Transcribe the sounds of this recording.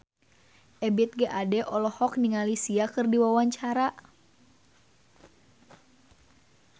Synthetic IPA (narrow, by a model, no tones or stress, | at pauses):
ʔɛbɛt̪̚ɡɛʔadɛʔɔlɔhɔk̚niŋalisiakɨrdiwawaɲt͡ʃaɾa